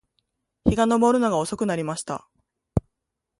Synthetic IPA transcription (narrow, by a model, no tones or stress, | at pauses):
çiɡano̞boɾɯ̟noɡao̞so̞kɯ̟naɾʲimaɕi̥t̪a̰